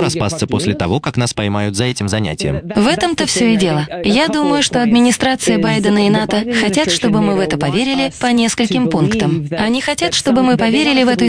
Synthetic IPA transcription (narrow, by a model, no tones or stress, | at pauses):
ɾɐspa̰st̪səpo̞sʲlʲɪt̪ɐvo̞kaknaspɐjmajʊt̪zɐɛtʲɪmzɐnʲæ̰tʲɪjə̰mvɛt̪əmt̪əfsʲɵɪdʲe̞lˠəjad̪uməjʊʂt̪o̞ɐd̪mʲɪnʲɪst̪ɾat̪sɨjəbajd̪ənəɪnat̪əxɐtʲat̪ʂt̪o̞bɨmɨvɛt̪əpɐvʲeɾʲɪlʲɪpɐnʲe̞skəlʲkʲɪmpunkt̪əmɐnʲixɐtʲat̪ʂt̪o̞bɨmɨpɐvʲeɾʲɪlʲɪvɛt̪ʊ